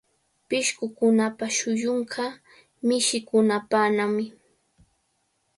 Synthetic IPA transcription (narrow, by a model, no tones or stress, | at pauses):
pɪʃkʊkʊnapaʃʊjoɴɢʰɑ | mɪʃɪkʊnapanamɪ